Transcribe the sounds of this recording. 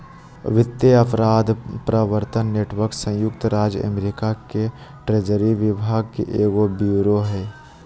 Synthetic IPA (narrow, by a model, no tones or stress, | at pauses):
ʋɪt̪ːeəpʰɾaːd̪pɾəʋəɾt̪ənːeːʈwəɾksə̃jʊkt̪ɾaːd͡ʒjə̰meɾikake | ʈɾeːd͡ʒəɾiʋɪbʱaːɡ̚kḛʔeːɡobjuːɾoɦɛː